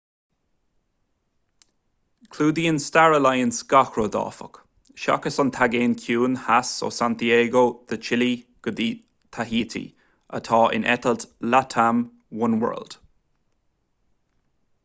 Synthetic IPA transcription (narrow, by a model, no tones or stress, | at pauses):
kʰluːd̪iːənstaɹəlajənsɡ̥axɾoːd̪ɑ̰ːfə̰k | ʃa̰kəsɔnt̪ʰaɡeːnkʰjuːnhaso̰ːsant̪ieːɡoːd̪̥ət͡ʃʰɪliɡ̥əd̪iː | t̪ʰaɦiːt̪ʰḭ | ə̰t̪ʰɑːʔɪ̰nʔɛ̰t̪əlt̪lat̪ʰam | wʊnwɜ̰ːld̥